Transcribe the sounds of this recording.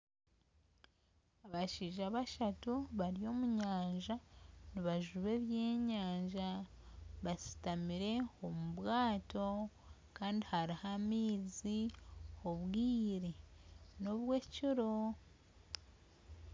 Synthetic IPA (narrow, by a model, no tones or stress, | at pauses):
aβaʃiːʒaβaʃatuβaɾijo̞muɲaːɲʒaniβaʒuβe̞βje̞ːɲaːɲʒa | βasi̥tamiɾe̞omuβwaːto̞ | kaːndihaɾihamiːzioβwiːɾeno̞βwe̞cuɾo̞